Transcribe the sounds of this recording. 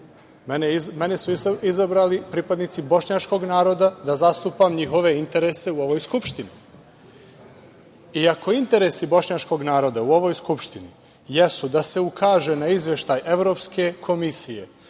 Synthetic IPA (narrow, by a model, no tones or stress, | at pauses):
meneime̞nesuizabɾaːlipɾiːpad̪nit̪sibo̞ʃɲat͡ʃko̞ɡnaːɾo̞d̪ad̪azast̪upamɲixo̞ʋe̞int̪e̞ɾese̞uo̞ʋoːjskupʃt̪ini | iakʰo̞int̪e̞ɾe̞sibo̞ʃɲat͡ʃko̞ɡnaːɾo̞d̪auo̞ʋo̞jskupʃt̪ini | jesud̪ase̞ukʰaːʒenaizʋje̞ʃt̪ajʔe̞ʋɾo̞ːpske̞kʰo̞misije̞̰